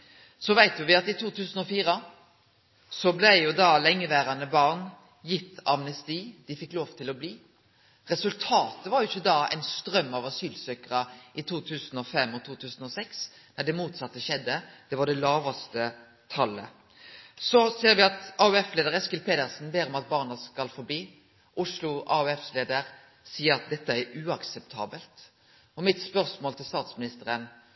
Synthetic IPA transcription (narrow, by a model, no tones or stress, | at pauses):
sɔʋæɪt̪jʊʋɪɑt̪ɪt̪ʰuːt̪ʰʉːsənɔfiːʁə | sɔblæɪjʊd̪ɑlɛŋːəʋæːɾɑnəbɑʁn | jɪt̪ʰːɑ̰mnɛst̪iːd̪̥ɪfɪkːloːʋt̪ʰɪlɔbliː | ʁɛsʉlt̪ʰɑːt̪əʋɑɾjʊɪçːəd̪ɑːæ̰ɪnst̪ɾœmːɑʋɑsyːlsøːkəʁəʔɪt̪ʰuːt̪ʰʉːsənɔfɛmːɔt̪ʰuːt̪ʰʉːsnɔsɛks | næd̪ɛmuːt̪sɑt̪ːəʃɛd̪ːəd̪̥ɛʋɑɖɛlɑːʋɑst̪ə | t̪ʰɑlːə̰ | sɔseːɾʋɪɑt̪ɑʉɛfleːd̪əɾɛskɪlpʰeːd̪əʁsn̩beːɾɔmɑt̪̚bɑːʁnəskɑlfɔɾb̪iː | ʔʊʂlʊʔɑ̰ʉɛfleːd̪əɾ | siːəɾɑt̪̚d̪ɛt̪ːəæɾʉːɑksɛp̚t̪ʰɑːbəlt̪ | ɔmɪt̪spœʁsmoːlt̪ʰɪlst̪ɑːt̪smɪnɪst̪əɾən